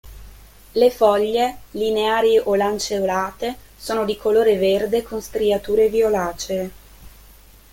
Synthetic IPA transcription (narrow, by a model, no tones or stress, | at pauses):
lefɔʎːelineaːɾiʔolant͡ʃeolaːt̪e | soːnod̪ikoloːɾeverd̪ekonst̪ɾiat̪uːɾeviolaːt͡ʃe